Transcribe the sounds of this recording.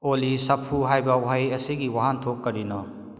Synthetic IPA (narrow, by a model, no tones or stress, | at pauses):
olisɐpʰuɦajbɐuɦajɐsiɡiwaɦantʰokːɐɾinɔ